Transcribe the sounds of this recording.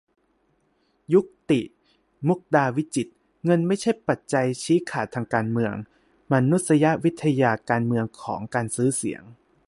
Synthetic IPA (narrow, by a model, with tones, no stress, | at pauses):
ju˦˥k̚t̪i˨˩ | mu˦˥k̚daː˧wi˦˥t͡ɕi˨˩t̪̚ | ŋɤ˧nma˥˩jt͡ɕʰa˥˩jpa˨˩t̪̚t͡ɕa˧jt͡ɕʰiː˦˥kʰaː˨˩t̪ʰaː˧ŋkaː˧nmɯ˧əŋ | ma˧nu˦˥t̪̚sa˧ja˦˥ʔwi˦˥t̪ʰːa˧jaː˧kaː˧nmɯ˧əŋkʰɔ̰ː˩˦ŋkaː˧nsɯː˦˥sḭ˨˩˦əŋ